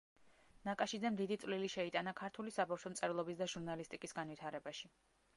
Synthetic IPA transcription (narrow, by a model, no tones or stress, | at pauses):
nakʼaʃid̪zɛmd̪id̪it̪sʼvliliʃɛit̪ʼanakʰaɾt̪ʰulisabafʃɔmt̪sʼɛvlˠɔbisd̪aʒuɾnalist̪ʼikʼisɡanvit̪ʰaɾɛbaʃi